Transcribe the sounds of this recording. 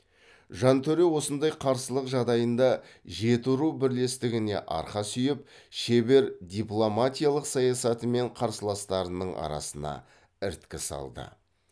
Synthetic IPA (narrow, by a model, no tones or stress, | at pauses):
ʒɑnt̪ʰɵɾe̞wo̞sənd̪ɑjqʰɑɾsəlˠəqʒɑʁd̪ɑjənd̪ɑ | ʒe̞t̪uɾubɪɾle̞st̪ɪɡʲɪne̞̰ʔɑ̰ɾqɑsʏjɪp̚ʃebe̞ɾd̪ʲiplˠo̞mat̪ʲijalˠəqsɑjɑsɑt̪əme̞ɴqʰɑɾsəlˠɑst̪ɑɾənəɴʔɑ̰ɾɑ̰sənɑ̰ | ɪɾt̪kʲɪsɑ̰lˠd̪ə̰